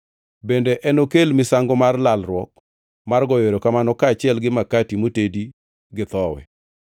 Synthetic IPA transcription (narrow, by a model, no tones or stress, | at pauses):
bendeʔɛnokelmɪsaŋɡɔmarlalɾwɔk̚ | marɡɔjeɾokamanɔkaːt͡ʃɪɛlɡɪmakatimotedi | ɡɪt̪ɔwɛ̰